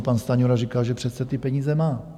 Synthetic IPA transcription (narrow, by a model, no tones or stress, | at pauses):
panst̪aɲoɾarikalʒɛpr̝̥ɛt̪sɛt̪ɪpɛɲiːzɛmaː